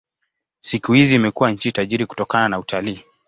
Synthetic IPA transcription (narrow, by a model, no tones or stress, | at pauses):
sikuhiziːmɛkuwaɲ̩t͡ʃitaʄiɾiku̥tɔkananautʰaliː